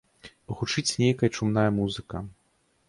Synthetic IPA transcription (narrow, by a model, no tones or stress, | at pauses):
ɣut͡ʂɨt͡sʲnʲejkɐjɐt͡ʂumnajɐmuzɨkɐ